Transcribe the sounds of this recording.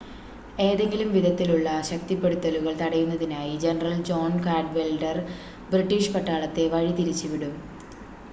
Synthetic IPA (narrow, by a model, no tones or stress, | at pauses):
e̞ːðe̞ŋɡilumʋid̪ʱɐt̪ːiluɭːɐɕɐk̚t̪ipːe̞ɽut̪ːɐluɣɐɭt̪ɐɽɐjunːɐðinaːjid͡ʑenɐrɐld͡ʑo̞ːnkaːɖʋelɖɐr | briʈːiːʂpɐʈːaːɭɐt̪ːe̞ʋɐɻit̪iɾit͡ɕːuʋiɽum